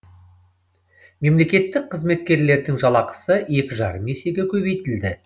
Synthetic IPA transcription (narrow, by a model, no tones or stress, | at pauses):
me̞mle̞kʲe̞t̪ːɪk̚qʰəzme̞t̪kʲe̞ɾle̞ɾd̪ɪŋʒɑlˠɑqə̥səe̞kʲɪʒɑ̰ɾəmese̞ɡʲe̞kʲʰɵβe̞jt̪ɪld̪ɪ